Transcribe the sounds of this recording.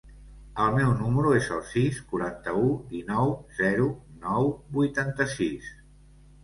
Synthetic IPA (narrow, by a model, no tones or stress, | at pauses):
əlˠmɛwnuməɾuezəlˠsiskuɾant̪əud̪inɔwzɛɾunɔwbujt̪ant̪əsis